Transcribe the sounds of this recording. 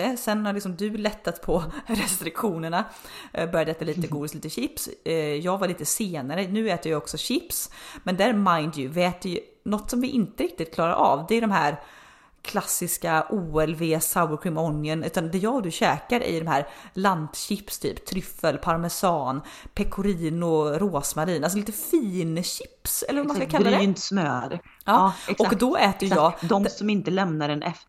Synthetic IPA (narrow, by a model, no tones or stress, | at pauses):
əsɛnːaɭɪksɔmd̪ɵlɛt̪ːat̪pʰɔɾɛst̪ɾɪkɧuːnəɳa | bœɾjad̪əɛːt̪aliːt̪əɡuːd̪ɪst̪iːt̪əɕɪpsjɑːɡvaɾɭiːt̪əseːnaɾənʉ̟ːɛːt̪əɾjɑɔksɔɕɪpsmɛnd̪æːɾmaɪnd̪jʉvɛːt̪jɵ | nɔt̪ːsɔmvɪʔɪnt̪əɾɪk̚t̪ɪt̪̚kʰlɑːɾa̰ɾʔɑ̰vd̪ɛːdɔmɦæːɾ | kʰlasːɪskaʔuːɛlveːsaʊəɾkʰɹɪmɔnjənʉ̟ːt̪and̪ɛjɑːɡd̪ɵɕɛːkaɾʔæ̰jd̪ɔmhæːɾlant̪ɕɪpst̪ʰy̰ːpt̪ʰɾʏfːəlpʰaɾmɛsɑːnpʰɛkʰʊɾiːnʊɾoːsmaɾiːnals̬ɔliːt̪əfiːnɕɪ̥psɛ̰ləɾvamanskakʰalɾːad̪ɛnt̪smøːɾ | ɑːɔkdd̪ɔʔɛːt̪əjjɑːd̪ɔmsɔmɪnt̪əlɛmnaɖɛnʔɛf